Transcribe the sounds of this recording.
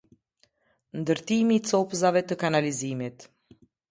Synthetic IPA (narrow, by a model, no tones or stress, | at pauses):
nd̪əɾt̪imiːt͡sɔpzavɛt̪əkanalizimit̪